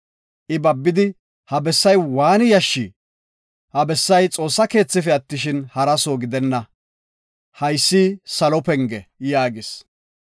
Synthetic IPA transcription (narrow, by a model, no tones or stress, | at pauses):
ʔɪbɐbːɪd̪ɪ | hɐbɛsːɐjwaːnɪjɐʃːi | hɐbɛsːɐjt͡sʼo̞ːsːɐke̞ːt͡sːɪfɛɐt̪ːɪʃ̬ɪnhɐɾɐsoːɡɪd̪ɛnːɐ | hɐjsːiːsɐlɔpɛŋɡɛjaːɡɪs